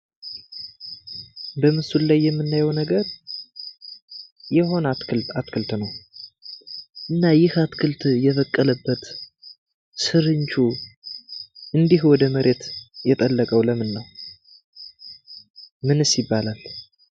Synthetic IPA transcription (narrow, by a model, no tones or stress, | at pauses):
bəmɨsullajːɛmːɨnːajɛwnəɡəɾ | jɛɦo̞nat̪kʰɨlt̪at̪kʰɨlt̪nəw | ʔɨnːajɪhat̪kʰɨlt̪jɛβəkʼːələbːət̪ | sɨɾɨɲt͡ʃu | ʔɨnd̪iɦwɔd̪əməɾʔe̞t̪jɛt̪ʼəlːəkʼəwləmɨnːəw | mɨnɨsɪbːalal